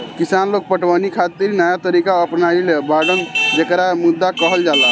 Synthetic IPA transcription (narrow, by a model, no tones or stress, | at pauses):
kisanlok̚pəʈwanikʰat̪iɾnəjat̪əɾikaəpnailebaɖənd͡ʒekɾamud̪ːakəɦəld͡ʒala